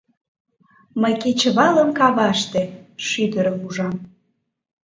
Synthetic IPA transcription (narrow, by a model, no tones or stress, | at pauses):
məjket͡ɕəβɑləmkɑβɑʃt̪eʃyd̪əɾəmuʒɑm